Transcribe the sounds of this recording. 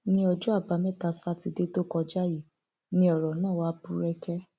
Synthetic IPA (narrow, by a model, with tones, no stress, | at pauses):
nĩ˦ɔ˧d͡ʒɔ˦a˦˨ba˨˧mɛ̃˦˨ta˧sa˦ti˧de˦to˦kɔ˧d͡ʒa˦ji˦˨ | nĩ˦ɔ˨ɾɔ˨nãː˦˨wa˦bũ˧ɾɛ˧kɛ˦